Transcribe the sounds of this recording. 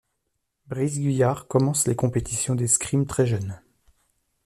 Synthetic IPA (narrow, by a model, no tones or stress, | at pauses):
bʁizɡʲɥijaʁkɔmɑ̃slekɔ̃pet̪i̥sjɔ̃d̪eskχimt̪χɛʒœn